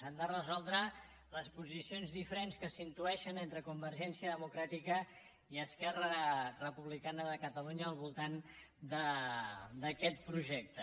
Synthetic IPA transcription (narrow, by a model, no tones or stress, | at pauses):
and̪ərəzɔlˠd̪ɾə | ləspuzisionzðifəɾenskəsint̪uɛʃənent̪ɾəkumbəɾʒɛnsiəðəmukɾat̪ikə | iəskɛrərəpuβlikanəðəkət̪əluɲəːlˠβulˠt̪an | d̪ə | d̪əkɛt̪̚pɾuʒɛk̚t̪ə